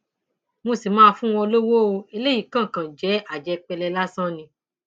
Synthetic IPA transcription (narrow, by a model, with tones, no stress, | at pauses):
mo˧si˨mãː˦˧fũ˦w̃ɔ̃˧lo˦wo˦o˧e˧le˦ji˦˨kã˦˨kã˨d͡ʒɛ˨˦a˦˨d͡ʒɛ˨˦k͡pɛ˧lɛ˧la˦sã˦nĩ˧